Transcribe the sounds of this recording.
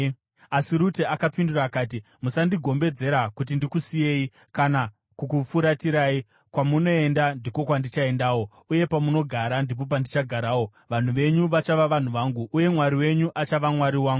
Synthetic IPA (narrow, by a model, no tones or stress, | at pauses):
asiɾuteakapinduraːkaːt̬i | musandiɡʱo̞mbe̞d͡ze̞ɾakut̬indikusije̞i | kana | kukufuɾatiɾaːi | kwamuno̞e̞ndandiko̞kwandit͡ʃae̞ndaːwo̞ | uje̞pamuno̞ɡʱaɾandip̬o̞p̬andit͡ʃaɡʱaɾaːwo̞ | ʋan̤uʋe̞ɲuʋat͡ʃaʋaʋan̤uʋaːŋɡuʔːje̞mwaɾiwe̞ɲuʔat͡ʃaʋamwaɾiwaːŋɡu